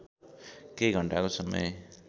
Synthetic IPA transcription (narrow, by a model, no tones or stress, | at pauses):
kejɡʱʌɳʈakosʌmʌ̰j